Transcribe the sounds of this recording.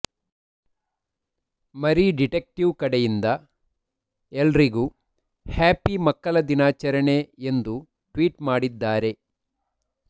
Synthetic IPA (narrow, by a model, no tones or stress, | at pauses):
mɐɾiɖiʈek̚ʈiʋkɐɽejind̪ɐ | elɾiɡu | haːpimɐkːɐlɐd̪inaːt͡ʃɐɾɐɳe̞end̪u | ʈʋiːʈmaːɽid̪ːaːɾe̞